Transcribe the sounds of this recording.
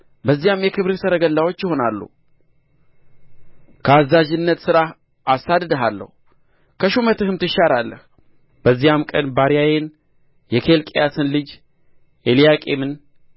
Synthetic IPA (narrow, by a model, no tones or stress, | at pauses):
bəzːijamjɛkʰɨβɾɨsəɾəɡəlːawo̞t͡ʃːjɪho̞nalːṵ | kʰəazːaʒɨnːət̪sɨɾa | asːad̪d̪əɦalːə̰hu | kʰəʃumət̪ɨhɨmt̪ʰɨʃaɾalːə̰h | b̥əzːijamkʼənbaɾijajen | jɛkʰe̞lkʼejasɨnlɨd͡ʒ | ʔelijakʼemɨn